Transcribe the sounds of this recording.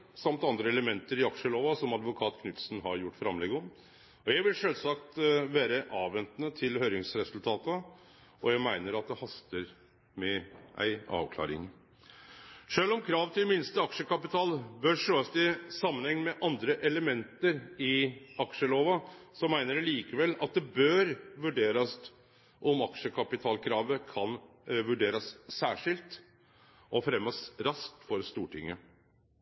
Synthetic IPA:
sɑmt̪ɑnd̪ɾəɛləmɛnt̪əɾɪɑkʂəloːʋɑsɔmɑd̪ʋʊkʰɑːt̪kʰnʏt̪snɦɑɾjʊʈːfɾɑmlɛɡɔm | ɔjæɪʋɪlʂøːlsɑkt̪ʋæːɾəʔɑːʋʋɛnt̪nət̪ʰɪlhøːɾɪŋsɾɛsʉlt̪ʰɑːt̪ə | ʔɔjæɪmæɪnəɾɑt̪̚d̪ɛhɑst̪əɾ | mɛʔæ̰ɪɑ̰ːʋkʰlɑ̰ːɾɪ̰ŋ | ʂøːlɔmkʰɾɑːʋt̪ʰɪlmɪnst̪əɑkʂəkɑpɪt̪ʰɑːlbœɾʂøːɑst̪ɪsɑmːənhɛŋnmɛʔɑnd̪ɾəʔɛləmɛnt̪əɾɪɑkʂəloːʋəsɔmæɪnəɾɭiːkəʋɛlɑ̰t̪̚d̪ɛbøɾʋʉɖeːɾɑst̪ | ʔɔmɑkʂəkʰɑpɪt̪ʰɑːlkʰɾɑːʋəkʰɑn | ʋʉɖeːɾəsːæːʂɪlt̪ | ʔɔfɾɛmːəsɾɑsk̚t̪fɔɾst̪uːʈʰɪŋːə

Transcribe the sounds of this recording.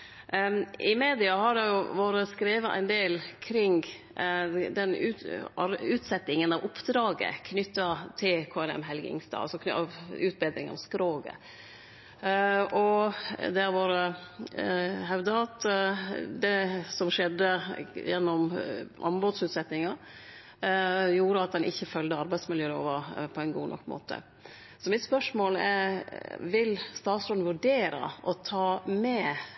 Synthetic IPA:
ɪmeːd̪ɪɑhɑɖɛjʊʋoːɾəskɾeːʋəʔæ̰ɪnd̪eːlkʰɾɪŋ | d̪ɛnʉɑɾʉːt̪sɛt̪ːɪŋənɑʋʊpd̪ɾɑːɡə̰kʰnʏt̪ːɑt̪ʰɪlkʰoːɛlɛ̰mɦɛlɡɪ̰ŋst̪ɑ̰ːɑ̰lsɔkɑʋʉːt̪̚bɛːd̪ɾɪŋɑ̰ʋskɾoːɡə̰ | ʔɔd̪æɾʋɑːɾə | ɦɑʉd̪ɑt̪ | d̪ɛsɔmʂɛd̪ːəjɛnːɔmʔɑ̰mbɔd̪sʉːt̪sɛt̪nɪŋɑɾ | juːɾəɑt̪̚d̪ɛnʔɪçːəfœld̪əɑɾbæɪsmɪljøːlo̰ːʋəɾpʰɔæɪnɡuːnʔɔ̰kːmo̰ːt̪ʰə̰ | sɔmɪt̪spœʂmoːlɛ | ʋɪlst̪ɑːt̪sɾɔnnʋʉɖeːɾə̰ʔɔt̪ʰɑːmɛ

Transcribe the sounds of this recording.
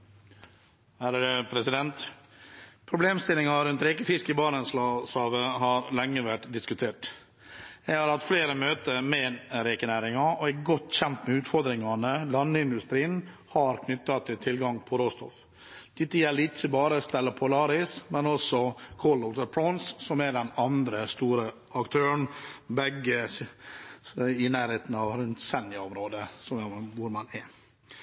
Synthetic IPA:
hæɾəd̪əpʰɾɛsɪd̪ɛnt̪ | pʰɾʊbleːmst̪ɪlːɪŋɑɾʉnt̪ɾekəfɪskəbɑɳənslɑslɑːʋəɦɑɾlɛŋːəʋæʈd̪ɪskʉt̪ʰeːʈ | jɛɪhɑɾɑt̪fleːɾəmøːt̪əɾmɛːɾɛkənæːɾɪŋɑɔɛɡɔt̪ːçɛnt̪mɛʉːt̪fɔɾd̪ɾɪŋɑnəlɑnːəɪnd̪ʉst̪ɾiːən | hɑɾkʰnʏt̪ːɑt̪ʰɪlt̪ʰɪlɡɑŋpʰɔɾoːst̪ɔ̰f | d̪̥ɪt̪ːəjɛlɪt̪səbɑːɾəst̪ɛləpʰʊlɑːɾɪsmɛnɔsɔkʰolɔt̪əpʰɾɔnsːɔmæɖɛnɑnd̪ɾəst̪uːɾə | ɑkt̪ʰøːɾəɳ̩bɛɡə | ɪnæːɾheːt̪n̩ɑʋɾʉnt̪sɛnɪɑɔmɾoːd̪əsɔmjʋʊɾmɑnɛ

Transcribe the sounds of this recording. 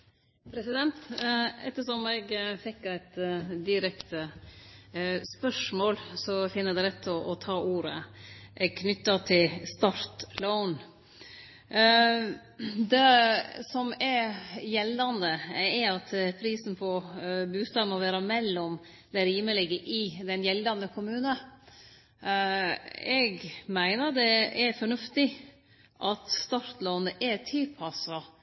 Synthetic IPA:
pʰɾɛsɪd̪ɛnt̪ɛ̰t̪ːəʂɔmɛɡfɪkːæɪt̪d̪ɪɾɛkt̪ə | spœʂmoːlsɔfɪnːəd̪ɛɾɛt̪ʰːɔʔɔt̪ʰɑːʔuːɾəʔɛɡkʰnʏt̪ːɑt̪ʰɪlst̪ɑɾt̪lɔʊn | d̪ɛsɔmɛɾjɛlːɑnd̪əɛɾɑt̪pʰɾiːsn̩pʰɔbʉːst̪ɑːd̪mɔʋæːɾɑmɛlːɔm | d̪ɛɾiːməlɪɡəʔɪd̪ɛnjɛlːɑnd̪əkʰʊmʉːnə | ɛɡmæɪnəɾd̪ɛɛɾfɔɳʉft̪ɪ | ʔɑt̪st̪ɑɾt̪loːnəʔɛt̪ʰɪlpʰɑsɑ

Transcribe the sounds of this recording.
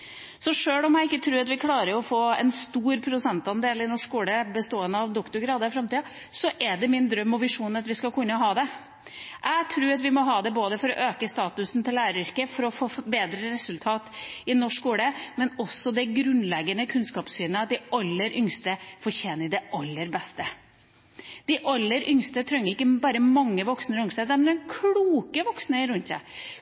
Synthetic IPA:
sɔʂøːlɔmæɪɪkːət̪ʰɾʉːɾɑt̪ʋɪkʰlɑːɾəɾɔfoːɛ̰nst̪uːɾpʰɾʊsɛnt̪ɑnd̪eːlɪnɔʂkuːləbəst̪oːənəɑʋd̪ɔkt̪ʊɾɡɾɑːd̪əɾfɾɑmt̪iːɑ | sɔʔɛɖɛmɪnd̪ɾœmːɔʋɪʂuːnɑt̪ʋɪskɑkʰʉnːəɔɦɑːd̪ɛ | ʔæɪt̪ʰɾʉːɑt̪ʋɪmɔɦɑːd̪ɛboːd̪əfɔɾɔ̰ʔøːkəst̪ɑːt̪ʉsn̩t̪ʰɪlːæːɾəɾʏɾkəfɔɾɔfoːbeːd̪ɾəɾɛsʉlt̪ʰɑːt̪ɪnɔʂkuːɽəmɛnɔsːɔd̪ɛɡɾʉnlɛɡənəkʰʉnskɑːpsyːnəɑt̪̚d̪ɪɑlːəɾʔʏŋst̪əfɔɾçeːnəɾd̪ɛʔɑlːəɾbɛst̪ə | d̪̥ɪʔɑlːəɾʔʏŋst̪ət̪ʰɾœŋːəɾɪkːəbɑːɾəmɑŋːəʋɔksnəɾʏŋst̪ət̪əmɛnɛnkʰluːkəʋɔksnəɾʉnt̪sæ̰ɪ

